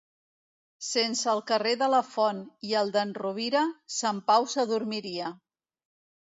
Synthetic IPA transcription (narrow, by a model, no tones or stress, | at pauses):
sensəːlˠkəreðələfɔniəlˠd̪ənruβ̞iɾəsampawsəðuɾmiɾiə